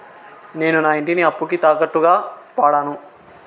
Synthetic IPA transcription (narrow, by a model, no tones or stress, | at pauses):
ne̞ːnunaːiɳʈiniɐpːukit̪aːkɐʈːuɡaː | paːɽaːnu